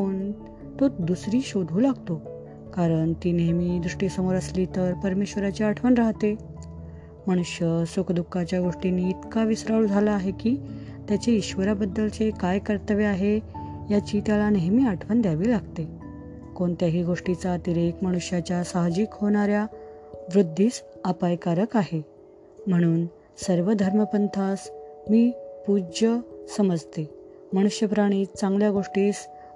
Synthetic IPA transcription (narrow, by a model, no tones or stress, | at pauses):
koɳ | t̪od̪usɾiːɕod̪ʱuːlaɡt̪o | kaɾəɳt̪iːneɦmiːd̪ɾuʂʈiːsəmoɾəsliːt̪əɾpəɾmeɕʋəɾat͡ɕeaʈʰʋənɾaɦt̪e | məɽ̃uɕjəsokd̪ukːat͡ɕjaɡoʂʈinːiːt̪kaʋisɾaɭud͡zʱalaːɦekiː | t̪jat͡ɕeiɕʋəɾabəd̪ːəlt͡sekajkəɾt̪əʋeaɦejat͡ɕiːt̪jalaneɦmiaʈʰʋənd̪jaʋiːlaɡt̪e | koɳt̪jaɦiːɡoʂʈit͡sat̪iɾekməɽ̃uɕjat͡ɕjasaɦd͡ʑikhoɳ̃aɾjaʋɾud̪ʱːiːsapajkaɾəkaɦe | m̤əɽ̃uːn | səɾʋəd̪ʱəɾməpənt̪ʰasmiːpud͡ʑəsəməd͡zt̪e | məɽ̃uɕjəpɾaɽ̃iːt͡sãŋɡljaɡoʂʈiːs